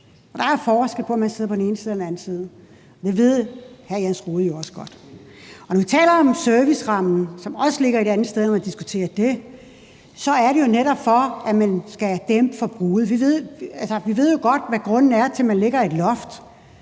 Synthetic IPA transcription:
ɒ̽d̥ɑ̈fɒːsɡ̥l̩ˠpʰɒ̽æmænse̝ð̰ˠɐpʰɒ̽dn̩e̝ːnsiːðˠɒdenæn̩sið̞ˠ | ɒd̥e̝ʋe̝ð̞̰ˠhæɐjænsʁuːðˠəjoɒ̽sə̥ɡ̥ɒ̽d̥ɒnɒʋit͡sʰɛ̰ːlɐɒ̽msøɐʋisʁɑ̈m̰n̩sɒ̽mɒ̽səle̝ɡ̥ɐedɾænð̩ˠsd̥eð̞ˠnɒmænd̥isɡ̥ut͡sʰe̝̰ːɐd̥e̝ | sɒ̽æɐɾe̝jo̝neɾɒb̥fɒ̽æmænsɡ̥æd̥emb̥əfɒ̽b̥ʁuːð̩ˠʋiʋe̝ð̞̰ˠælsɐʋiʋe̝ð̞̰ˠjo̝ɡ̥ɒ̽d̥ʋæɡ̥ʁɔ̽n̰n̩æɐt͡sʰe̝lmænle̝ɡ̥ɐe̝d̥lɒ̽fd̥

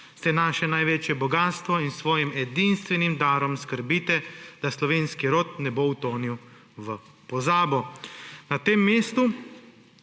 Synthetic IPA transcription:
sɛnaːʃɛnajʋeːt͡ʃjɛbɔɡaːst̪ʋɔinsʋɔːjimɛd̪inst̪ʋɛnimd̪aːɾɔmskəɾbiːt̪ɛd̪̥aslɔʋeːnskiɾoːt̪̚nɛbowt̪oːniw | ʋə | pɔzaːbɔnat̪eːmːeːst̪u

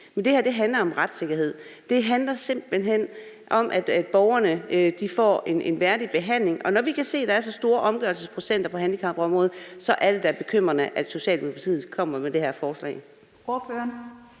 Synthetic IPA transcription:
mend̥e̝hæɐd̥e̝ɦænlɐɒ̽mʁad̥se̝ɡ̥ɐɦe̝ð̞̰ˠd̥e̝ɦænlɐse̝m̰b̥lɦen̰ | ʔɒ̽mʔæd̥æd̥b̥ɒʊɐnəd̥ifɒ̰ːe̝ne̝nʋæɐd̥ib̥e̝ɦæn̰le̝ŋʔɒ̽nɒʋikʰæse̝̰ːd̥ɑ̈æɐsɒ̽sd̥o̝ːɐʔɒ̽mɡ̥ɶɐlsəspʰʁo̝sen̰d̥ɐpʰɒ̽ɦænlikʰɑ̈mb̥ɒ̽mʁɔ̽ːð̩ˠsɒ̽ʔæɐɾ̥e̝d̥ɑɐb̥e̝kʰøm̰ʁɐnəʔæd̥so̝ɕɛ̰ːld̥emopʰɑt͡sʰið̩ˠkʰɒ̽m̰ɐmed̥e̝hæɐ̰fɒːslɛ̰ːɪ | oɐføːɐn

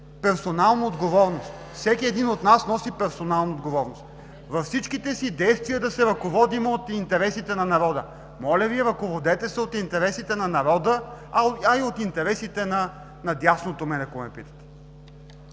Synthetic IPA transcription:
pɛɾsonalˠnɐod̪ɡovɔɾnost̪fsɛkʲiɛd̪inot̪nasnɔsipɛɾsonalˠnɐod̪ɡovɔɾnost̪̚ | vɐfsit͡ʃkit̪ɛsid̪ɛjst̪viəd̪ɐsɛɾɐkovɔd̪imot̪int̪ɛɾɛsit̪ɛnɐnɐɾɔd̪ə | mɔlʲɐviɛɾɐkovod̪ɛt̪ɛsɛot̪int̪ɛɾɛsit̪ɛnɐnɐɾɔd̪ə | ɐiot̪int̪ɛɾɛsit̪ɛnɐ | nɐd̪ʲjasnot̪omɛd̪ɛkomɛpit̪ə̥t̪ɛ̥

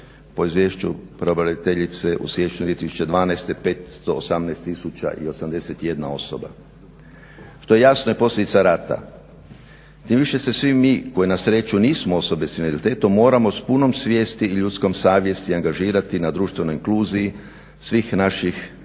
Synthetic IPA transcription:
po̞izʋje̞ːʃt͡ʃupɾeobaɾeit̪eʎit̪se̞ʔṵsʋjeʃt͡ʃuiet̪isu̥t͡ʃe̞d̪ʋaːnajst̪epet̪st̪o̞ːsamnaest̪ːisut͡ʃa̰ʔio̞samd̪e̞se̞t̪ije̞d̪nao̞so̰ba̰ | ʃt̪o̞je̞jasnojepo̞slʲʎe̞d̪it̪saɾaːt̪a̰ | t̪imʋiʃe̞se̞sʋimmːiːko̞jenasɾe̞t͡ʃuniːsmoo̞so̞be̞sinelit̪e̞ːt̪omːo̞ːɾamo̞spuno̞msʋjeːst̪iːʎut̪sko̞msaːʋje̞st̪iaŋɡaʒiːɾat̪inad̪ɾuːʃt̪ʋe̞no̞jiŋkluːziji | sʋixnaʃix

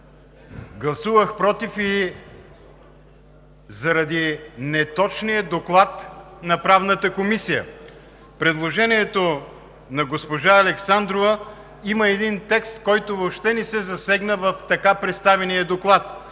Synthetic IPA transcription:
ɡlˠɐsuvəxpɾɔt̪ifi | zɐɾɐd̪inɛt̪ɔt͡ʃnijəd̪oklˠat̪nɐpɾavnət̪əkomisijə̰ | pɾɛd̪lˠoʒɛniɛt̪o | nɐɡospoʒaɐlɛksand̪ɾovə | iməɛd̪int̪ɛkst̪kɔjt̪ovopʃt̪ɛnɛsɛzɐsɛɡnəvɐft̪ɐkapɾɛt̪st̪avɛnijəd̪oklˠat̪

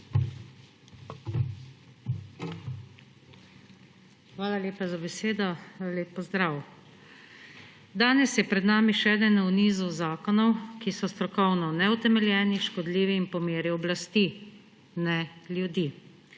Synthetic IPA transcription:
xʋaːlaleːpazabɛseːd̪ɔxaːaleːpːɔzd̪ɾaw | d̪aːnɛsjɛpɾɛd̪naːmiʃɛɛːd̪ənwniːzuzaːkɔnɔwkisɔst̪ɾɔkɔwnɔnɛut̪ɛmɛljɛːniʃkɔd̪liːʋiːnpɔmeːɾiɔblast̪i | nɛljud̪iː

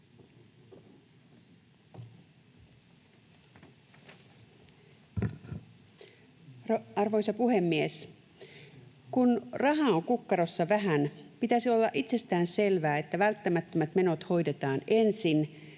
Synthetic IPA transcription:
ɑrʋo̞jsɑpuɦe̞mːies | kunrɑɦɑoŋkukːɑɾosːɑʋæɦænpit̪æsio̞lːɑʔit̪se̞st̪æːnse̞lʋæːet̪ːæʋælt̪ːæmæt̪ːæmæt̪me̞no̞t̪ho̞jde̞t̪ɑːne̞nsin

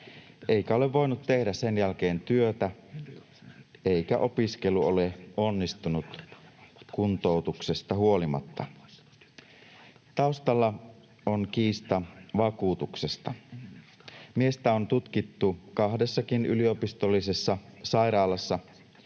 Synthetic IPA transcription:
ʔe̞ikæo̞le̞ʋʋːo̞jnut̪t̪ːe̞hdæsse̞njælk̟e̞ːnt̪yøt̪æ | e̞ikæʔo̞piske̞luo̞leo̞nːist̪unut̪ | kunt̪o̞ut̪ukse̞st̪ɑhuolimɑ̰t̪ːɑ | t̪ɑust̪ɑlːɑ | onkiːst̪ɑʋɑkuːt̪ukse̞st̪ɑ | mie̞st̪æont̪ut̪k̟it̪ːukɑhde̞sːɑkiny̰lio̞pist̪o̞lːise̞sːɑsɑjɾɑːlɑsːɑ

